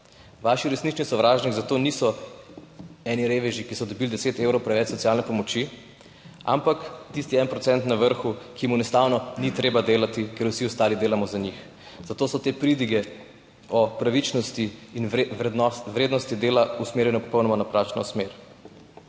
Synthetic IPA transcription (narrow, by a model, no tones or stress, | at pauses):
ʋaːʃiɾɛsnit͡ʃnisɔʋɾaːʒniɡzat̪oːnisɔ | ɛniɾeːʋɛʒikisɔd̪ɔbild̪ɛseːt̪eːwɾɔwpɾɛʋɛt͡ʃsɔtsijaːlnɛpɔmɔt͡ʃi | a̰mpakt̪ist̪iɛnpɾɔt̪sɛnt̪naʋəɾxukʰimunɛst̪awnɔnit̪ɾeːbad̪eːlat̪ikeɾwsiɔst̪aːlid̪eːlamɔzaɲix | z̥at̪oːsɔt̪eːpɾid̪iɡɛ | ɔpɾaʋit͡ʃnɔst̪iːn | ʋɾeːd̪nɔst̪id̪eːlausmeːɾjɛnɔpɔ̥pɔwnɔmanapɾaːt͡ʃnɔsmeɾ